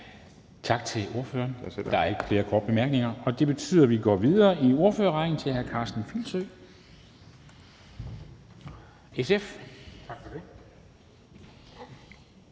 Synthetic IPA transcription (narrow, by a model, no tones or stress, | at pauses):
t͡sʰɑ̈ɡ̥̚t͡sʰe̝lo̝ɐføːɐnd̥ɑ̈æɐe̝ɡ̥əfle̝ːɐkʰɒ̰ːd̥̚b̥e̝mæɐɡ̥ne̝ŋɐɒ̽d̥e̝b̥e̝t͡sʰy̰ːðˠɐʋiɡ̥ɒ̰ːʋiðˠɐːʔio̝ɐføɐʁɑ̈ɪn̩t͡sʰe̝lhæɐkʰɑ̈ːsd̥n̩filsø | esefʰɡ̥fde